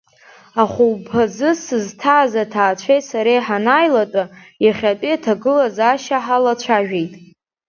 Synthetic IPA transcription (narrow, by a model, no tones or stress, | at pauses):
aχʷuwpʰazɨsɨztʰazatʰaːt͡ɕʷʰejtʼsaɾajħanajlatʼa | iχʲatʼiatʰaɡɨlazaʃaħalat͡ɕʷʰaʒᶣejtʼ